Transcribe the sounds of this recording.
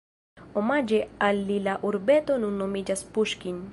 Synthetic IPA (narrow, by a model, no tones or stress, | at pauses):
ɔmad͡ʒɛalːilaʔuɾbɛt̪onunɔmid͡ʒaspuʃkin